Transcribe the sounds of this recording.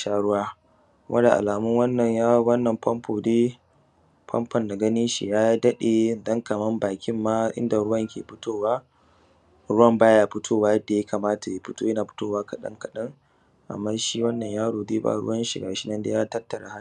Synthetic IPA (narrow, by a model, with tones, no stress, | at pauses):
ʃaː˦ɽʊ˦waː˦ | wʔɐ̰˦da˨ʔa̰˨laː˨mʊ˦ŋwɐ˦nːɐ˨ɲja˦wɐ˦nːɐ˨mpɐ˦mpoː˨deː˦ | pʰɐ̰˦mpɐ˨nda˨ɡɐ˦niː˦ʃḭ˨jaː˦ja˦dɐ˦ɗeː˨dɐ˦ŋkɐ˨mɐ˦mbaː˨kʲɪ˦mːaː˦ʔɪ̰˦nda˨ɾʊ˦wɐ˦˨ŋkʲeː˨ɸɪ˦toː˦waː˦ | ɾʊ˦wɐ˦˨mbaː˦jaː˦ɸɪ˦tʰoː˦waː˦jɐ˦da˨ja˦kʰaː˨maː˦ta˨je˦ɸɪ˦toː˦jɐ˦naː˨ɸɪ̥˦toː˦waː˦kɐ˨ɗɐ̰˦ŋkɐ˨ɗɐ˦ŋ | ʔa̰˨mːaː˦ʃiː˦wɐ˦nːɐ˨ɲjaː˦ɽoː˨deː˦ba̰˨ɽʊ̰˦wɐ˦nʃɪ˨ɡaː˨ʃɪ˦nɐ˦nda̰˦jaː˦tɐ˦tːɐ˨ɽa˨˦ha˦